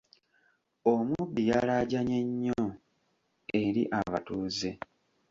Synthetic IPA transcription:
omubːijalaːɟaɲeɲːo | e̞ɾḭʔaβatuːze

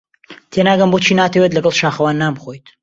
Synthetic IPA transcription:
t̪ʰenaːɡɐmbot͡ʃʰiːnaːt̪ʰəwet̪lɐɡɐlˠʃaːxɐwaːnːaːmbxojt̪

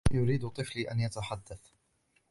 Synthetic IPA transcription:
jʊɾiːd̪ʊt̪ˤɨfliːʔa̰njat̪aħad̪ːaθ

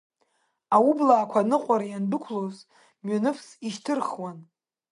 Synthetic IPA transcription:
awublaːkʷʰanɨqʷʼaɾajandɨkʷʰloz | mɥanɨfʰsiʃtʰɨrχwan

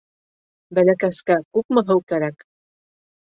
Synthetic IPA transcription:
bælækæskækʉk̚mɤ̆ɦɤwkæɾæk

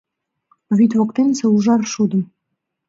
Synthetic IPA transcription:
βyt̪βokt̪ensɤ̆uʒɑrʃud̪ə̆m

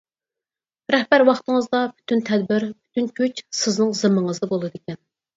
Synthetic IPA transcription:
ɾɛhbæɾwɑχt̪əŋəzd̪ɑbʰy̥t̪ʰynt̪ʰɛd̪̚bɪɾbʰy̥t̪ʰynkʲʰøt͡ʃsɪznɨŋzɨmːəŋəzd̪ɨbolˠɨd̪ɪkʲɛn

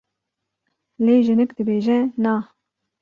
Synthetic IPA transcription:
leːʒɨnɨkd̪ɨbeːʒɛnɑ

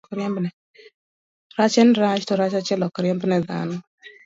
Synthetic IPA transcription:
kɾjambnɛ | ɾat͡ʃɛnɾat͡ʃtɔɾat͡ʃat͡ʃɛlɔkɔɾɛmbnɛða̰nɔ

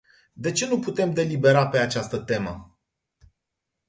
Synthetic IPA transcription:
d̪e̞t͡ʃe̞nuput̪e̞md̪e̞libe̞ɾape̞at͡ʃast̪ət̪e̞mə

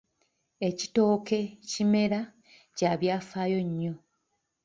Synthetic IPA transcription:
e̞ci̥to̞ːke̞cime̞ɾa | caːβjaːfaːjo̞ɲːo̞

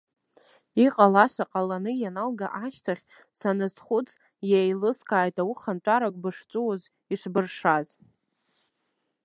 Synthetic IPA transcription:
iqʼalaʂʷaqʼalanɨjanalɡaʔaʃtʰaχʲ | sanɨsχʷʊt͡sʰʼ | jejlɨskʰʼaːjtawʊχantʷʼaɾakʷʼbɨʂt͡sʼuwoz | iʂbɨrʂaz

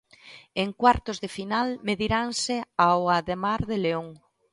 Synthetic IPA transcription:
eŋkwaɾt̪ʊzðefinalmeðiɾaŋsɪawaðemaɾðeleoŋ

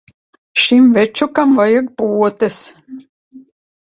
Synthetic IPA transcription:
ʃimvet͡ʃukamvajak̚puɔt̪es

